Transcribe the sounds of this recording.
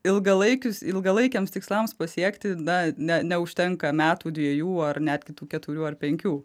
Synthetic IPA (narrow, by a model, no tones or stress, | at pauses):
ɪlˠɡɐlˠɐɪkʲʊsɪlˠɡɐlˠɐɪkʲɛːmst̪ʲɪkslˠɐmspɐsʲiɛkt̪ʲɪnɐnʲɛnʲɛʊʃʲt̪ʲɛŋkɐmʲæːt̪uːd̪ʲʋʲiɛjuːɐrnʲæːd̪ʲɡʲɪt̪uːkʲɛt̪ʊɾʲuːɐrpʲɛŋʲkʲuː